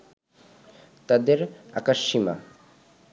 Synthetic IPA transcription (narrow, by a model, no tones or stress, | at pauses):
t̪ad̪eɾa̰kaʃːima̰